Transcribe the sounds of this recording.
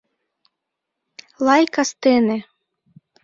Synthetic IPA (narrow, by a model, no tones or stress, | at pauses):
lˠɑjkast̪ene